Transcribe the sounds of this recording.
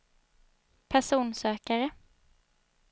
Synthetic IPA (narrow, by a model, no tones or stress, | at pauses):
pʰæʂuːnsøːkaɾə